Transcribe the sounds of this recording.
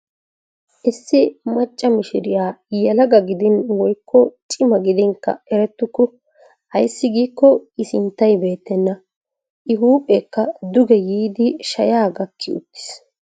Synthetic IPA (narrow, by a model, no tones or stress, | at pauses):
ʔɪsːɪmɐt͡ʃʼːɐmɪʃɪɾɪjaːjɐlɐɡɐɡɪd̪ɪnwɔjkːɔt͡ʃʼɪmɐɡɪd̪ɪŋkːɐ̰ɛɾɛt̪ːʊkːʊ | hɐjsːɪɡiːkːɔɪsɪnt̪ːɐjbe̞ːt̪ːɛnːɐ | ʔɪɦuːpʼekːɐd̪ʊɡɛjiːd̪ɪʃɐjaːɡɐkʰːɪʊ̰t̪ːɪ̥s